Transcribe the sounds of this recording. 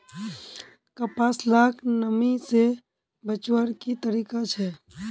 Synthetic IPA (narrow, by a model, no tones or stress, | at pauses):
kəpaːslaːkʰnəmise | bət͡ʃwəɾkit̪əɾiːkat͡ʃʰɛː